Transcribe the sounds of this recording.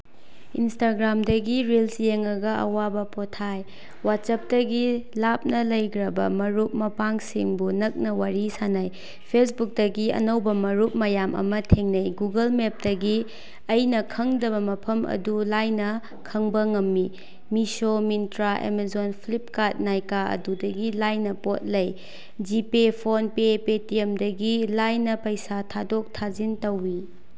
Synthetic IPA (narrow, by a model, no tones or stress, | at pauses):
instaɡɾamdɐɡiɾelsjeŋɐɡɐɐ̰wabɐpotʰaj | wat̚sɐp̚tɐɡilap̚nɐlɐjkɾɐbɐ̰mɐɾup̚mɐpaŋsḭŋbunɐk̚nɐwaɾisanaj | pʰes̬buk̚dɐɡiɐ̰nɐwbɐmɐɾup̚mɐjamʔɐ̰mɐtʰeŋnɐjɡuɡɐlmep̚dɐɡi | ɐjnɐkʰɐŋdɐbɐmɐpʰɐmɐ̰dulajnɐ | kʰɐŋbɐŋɐmːi | misomintɾaʔḛmezonpʰlip̚kat̚najkaɐ̰dudɐɡilajnɐpot̚lɐj | d͡ʒipepʰonpepetiemdɐɡilajnɐpɐjsatʰadok̚tʰazintɐwːi